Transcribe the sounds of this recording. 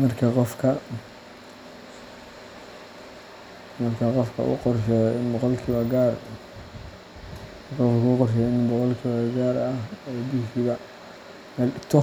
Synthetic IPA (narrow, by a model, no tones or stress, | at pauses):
mɐrkʰɐqɔfkʰɐ | mɐrkʰɐqɔfkʰɐ̰ʔṵqɔrʃɛbɔqɔlkʰiβɐɡaːr | kɔfkʰːqɔrʃ̬ɛɪnbɔqɔlkʰɪβɐɡaːɾɐhɛːbuːʃɪβɐ | mɛlt̪ʰɔ